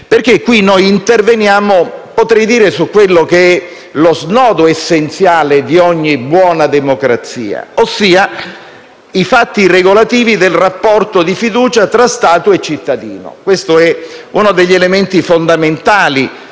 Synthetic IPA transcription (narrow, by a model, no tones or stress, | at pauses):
perkekːwinojint̪ervenjaːmopot̪ɾɛjd̪iːɾesukːwelːokeɛ | loznɔːd̪oesːent̪sjaːled̪iɔɲːibwɔːnad̪emokɾat̪sḭːa̰osːiːa | ifat̪ːireɡolat̪iːvid̪elrapːɔrt̪od̪ifid̪uːt͡ʃat̪ɾast̪aːt̪oet͡ʃːit̪ːad̪ḭːno̰kwest̪oɛunod̪eʎːelement̪ifond̪ament̪aːli